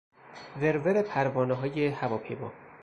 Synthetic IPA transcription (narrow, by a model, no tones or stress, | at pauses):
veɾveɾepʰæɾvɒːneɦɒːjehævɒːpʰḛbɒ̰ː